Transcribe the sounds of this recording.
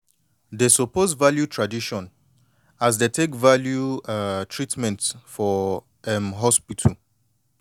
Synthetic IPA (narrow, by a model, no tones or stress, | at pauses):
desopozvaljutʰɹadiʃɔ̃n | as̬detʰekvaljuatʰɹitmɛ̃ntfɔ | ɛmɦɔspitʰəl